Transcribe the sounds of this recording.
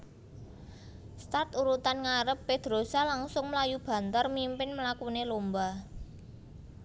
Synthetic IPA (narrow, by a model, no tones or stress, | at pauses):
st̪art̪uɾut̪anŋaɾəpːed̪̥ɾosalaŋsʊŋməlajub̥ä̤nt̪ərmimpɪnməlakunelomba